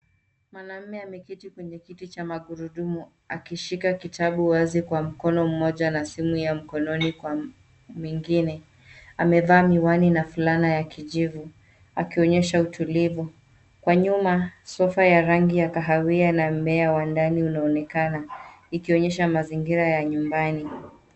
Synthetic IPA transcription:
mwanam̩mɛamɛkitikwɛɲɛkitit͡ʃamaɠuɾuɗumu | akiʃikakitʰaɓuwazikwam̩kɔnɔm̩mɔʄanasimujam̩kɔnɔnikwa | mwiŋɡinɛ | amɛvaːmiwaninafulanajakiʄivu | a̰kiɔɲɛʃautulivu | kwaɲumasɔfajaɾaŋɡijakaɦawianamɛawandaniunaɔnɛkana | ikiɔɲɛʃamaziŋɡiɾajaɲumbani

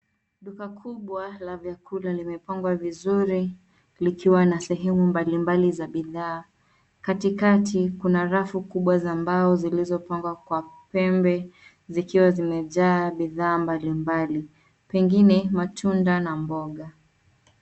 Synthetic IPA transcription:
ɗukakʰuɓwalavjakulalimɛpaŋɡwavizuɾi | likiwanasɛɦɛmumbalimbalizaɓiðaː | katikatikunaɾafukuɓwazambaɔzilizɔpaŋɡwakwapɛmbɛ | zikiwazimɛʄaːɓiðaːmbalimbali | pɛŋɡinɛmatʰundanambɔɠa

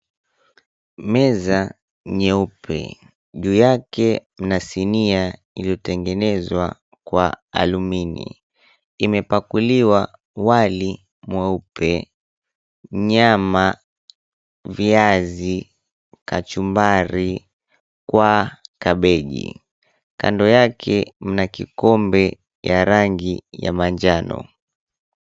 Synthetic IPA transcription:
mɛza | ɲɛupʰɛ̰ | ʄuːjakɛm̩nasinia | iliɔtɛŋɡɛnɛzwa̰ | kwaa̰luminḭ | imɛpakuliwa | wali | mwɛupɛ | ɲama | viazi | kat͡ʃumbaɾi | kwakaɓɛʄḭ | kandɔjakʰɛm̩nakikɔmbɛ | jaɾaŋɡija̰maɲd͡ʒanɔ̰

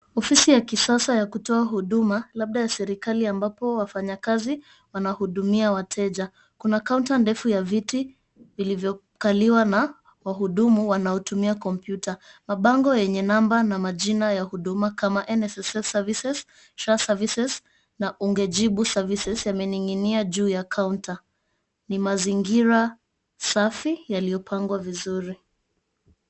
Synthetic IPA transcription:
ɔfisijakisasajakutɔaɦuɗumalaɓ̚ɗajasɛɾikaliambapɔwafaɲakazi | wanahuɗumiawatʰɛʄa | kunakauntandɛfujaviti | vilivjɔ | kaliwana | waɦuɗumuwanaɔtumiakɔmpjutʰamaɓaŋɡɔjɛɲɛnambanamaʄinajahuɗumakamaʔɛnɛsɛsɛfsavisɛs | ʃasavisɛs | naʔuŋɡɛʄiɓusavisɛsjamɛniŋiniaʄuːjakʰaunta | nimaziŋɡiɾa | safijalijɔpʰaŋɡwavizuɾi

